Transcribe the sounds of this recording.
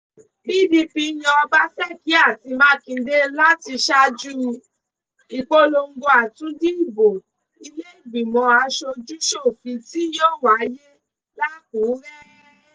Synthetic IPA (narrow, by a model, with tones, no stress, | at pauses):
bi˦˨di˧pi˧˦j̃ã˧ɔ˧ba˦sɛ˦˨ki˨˦a˦˨ti˧mã˦kĩ˨˧˨de˦la˦ti˧ʃa˦d͡ʒu˦˧ | i˨k͡po˧lo˧ŋ̩˦ɡo˧˦a˨tũ˨˦di˦i˦˨bo˨ | i˧le˦i˦˨bĩ˨mɔ̃˨˧a˧ʃo˧d͡ʒu˦ʃo˦˨fi˧ti˦joː˦˨wa˨˦je˦ | la˦˨ko˨˦ɾe˦